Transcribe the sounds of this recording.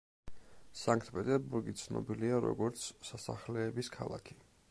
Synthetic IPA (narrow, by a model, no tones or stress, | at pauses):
saŋkʰt̪̚ʰpʼɛt̪ʼɛɾbuɾɡit̪sʰnɔ̰biliaɾɔ̰ɡɔɾt̪sʰsasa̰χlɛːbiskʰalˠa̰kʰi̥